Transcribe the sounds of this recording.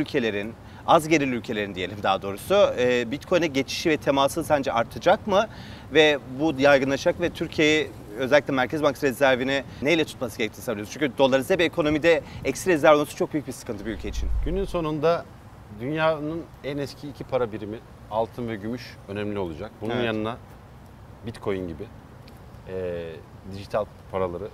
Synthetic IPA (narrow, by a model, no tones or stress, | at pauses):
ylʲcʰe̞lʲe̞ɾin | azɟe̞ɾilʲylʲcʰe̞lʲe̞ɾind̪ije̞lʲimd̪a̰ːd̪o̞ːɾusubit̪kʰo̞jnɛɟe̞t͡ʃʰi̥ʃivɛt̪ʰemasɯsænd͡ʒɛaɾt̪ʰɯd͡ʒakmɯ | vɛbujajɡɯnlˠaʃakvɛt̪ʰyɾcʰiejɛ | ø̞zɛlʲːiclʲɛmæɾcʰɛzbaŋk̪ɾɛzæɾvinɛ | nejlʲɛt̪ʰut̪masɯɡeɛc̚t̪ʰːnsabilʲijoɾzt͡ʃʰyɲʲcʰʲyd̪o̞lˠaɾɯzd̪abiekʰo̞no̞mid̪ɛɛcsiɾɛzæɾvoomˠsɯt͡ʃʰo̞k̚byjyc̚bisɯ̥kɯnt̪ʰɯbiylʲcʰeit͡ʃʰinɟ̥ynynso̞nund̪a | d̪ynjaːnɯn | ɛnɛscʰiːcʰipʰaɾabiɾimi | alˠt̪ʰɯnvɛɟymyʃ | ø̞nɛmlʲio̞lˠud͡ʒak̚bununjanɯna | bit̪kʰo̞jinɟibɪ | ɛ | d̪iʒit̪ʰalʲ | pʰaɾalˠaɾɯ